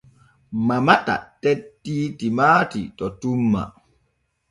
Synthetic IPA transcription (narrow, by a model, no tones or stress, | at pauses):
mamata̰tɛtːitimaːtḭtɔtumːa̰